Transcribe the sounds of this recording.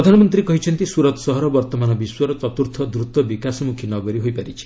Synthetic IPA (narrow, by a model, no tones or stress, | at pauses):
ɾɔd̪ʱanɔmɔnt̪ɾikɔɦit͡ʃʰɔnt̪isuɾɔt̪ɔsɔɦɔɾɔbɔɾt̪ɔmanɔbiswɔɾɔt͡ʃɔt̪uɾt̪ʰɔd̪ɾut̪wɔbikasɔmukʰinɔɡɔɾiɦojpaɾit͡ʃʰi̥